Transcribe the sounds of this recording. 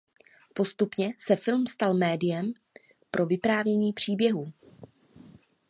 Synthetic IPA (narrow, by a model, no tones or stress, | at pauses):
po̞st̪upɲɛsɛfɪlmst̪almɛːdɪjɛm | pɾʔo̞vɪpɾaːvjɛɲiːpr̝̥iːbjɛɦuː